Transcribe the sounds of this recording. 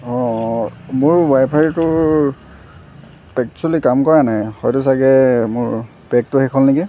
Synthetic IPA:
ɔ̃ | mʊɹbajpʰaɹitʊ | pɛkt͡ʃuulikamkɔɹanajhɔjtʊs̬aɡɛmʊɹ | pɛk̚tʊxɛkʰɔlniki

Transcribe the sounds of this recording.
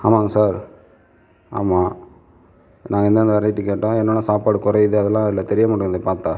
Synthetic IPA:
aːmaːsaːɾ | a̰ːmaː | nʔãːŋɡɐɛnd̪ɐɐnd̪ɐʋɛɾɐɪʈːɯkːeːʈːõːɛnːɐːnːɐsaːpaːɽɯkʊɾɐjðɯɐðɛlːãːɐðɪlːɐt̪ɛɾɪjɐmaːɽɯkːɡɯnd̪epaːɾt̪ãː

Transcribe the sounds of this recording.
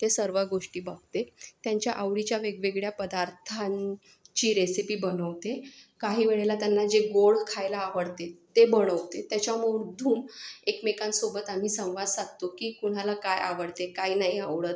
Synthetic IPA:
t̪esəɾʋaɡoʂʈiːbaɡt̪et̪jaɲt͡ɕjaʔaʋɽit͡ɕjaʋeɡʋeɡɭjapəd̪aɾt̪ʰãn | t͡ɕiːɾesipiːbənəʋt̪ekaɦiːʋeɭelat̪janːad͡ʑeɡoɭkʰajlaːʋəɽt̪et̪ebəɽ̃əʋt̪et̪jat͡ɕjamoɾd̪ʱuːmekmekansobət̪am̤iːsə̃w̃ʋad̪saɡ̚t̪okiːkuɽ̤̃alakaja̰ʋəɽt̪ekaɦiːnaɦiaʋɭət̪

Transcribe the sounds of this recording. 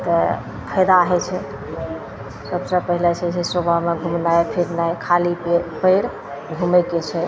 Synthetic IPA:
t̪ə | pʰəd̪aɦɛt͡ʃʰɛ | səbsə̃pəɦilɛt͡ʃʰɛsesobʱameɡʱumnajpʰiɾnajkʰalipəɾ | ɡʱumɛket͡ʃʰɛ

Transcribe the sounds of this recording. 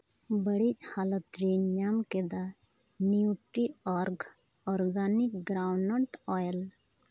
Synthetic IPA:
bəɽit͡ʃhalət̪ɾinjamked̪a | niuʈiɔːɾɡ | ɔːɾɡaːnikɡɾawnəɳʈɔːjəl

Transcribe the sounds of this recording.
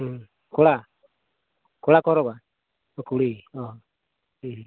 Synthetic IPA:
kula | kulakɔɾɔɣa | okuliɔhɔ

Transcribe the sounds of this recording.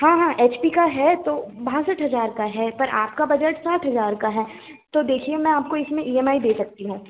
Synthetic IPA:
ɦãːɦãːʔeːt͡ʃpikaɦɛt̪oːbaɦsəʈɦɐzaːɾkaɦɛpɐɾʔa̰ːpkabɐd͡ʒəʈsaːʈʰɦɐzaːɾkaɦɛː | t̪oːd̪eːkʰiemɛ̃aːp̚koɪsmẽʔiːɛmaːid̪eːsɐk̚t̪iɦũː

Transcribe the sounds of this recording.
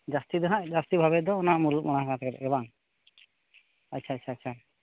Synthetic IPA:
d͡ʒast̪id̪əɦaʔd͡ʒast̪ibʱabɛd̪ɔːnaʔmulumɔɽ̃aɦakãt̪ʰɛkɛɾɛ̰ʔɛbaŋ | atːt͡ʃʰaːtːt͡ʃʰaːt͡ʃʰa

